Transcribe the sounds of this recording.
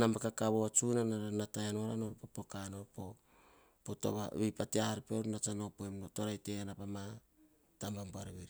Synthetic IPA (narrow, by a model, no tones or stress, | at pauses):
nambakakaβoat͡ʃunanaɾanatajanoɾano̞ɾpopokano̞ɾpo̞ | poto̰βa̰βipateahaɾipeoɾnat͡ʃano̞poemoto̞ɾajte̞anapama | tambambuaɾaβiɾi